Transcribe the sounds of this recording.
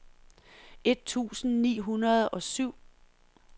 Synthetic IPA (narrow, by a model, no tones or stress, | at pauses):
e̝d̥̚t͡sʰṵːsn̩nḭːɦunɐð̞ˠɒ̽syʊ̰